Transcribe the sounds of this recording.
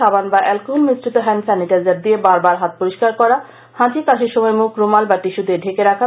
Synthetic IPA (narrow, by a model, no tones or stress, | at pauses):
abanbaʔɛlkunmisɾit̪oɦɛnsɛniʈaɾd͡ʑaɾd̪iebaɾbaɾɦat̪̚poɾiʃkaɾkɔɾa | hãt͡ɕikaʃʰeɾʃɔmɔemukɾumalbaʈiʃud̪eɖʱekeɾakʰa